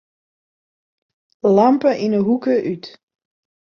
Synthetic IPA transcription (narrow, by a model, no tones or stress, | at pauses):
lampəʔinəɦukəʔyt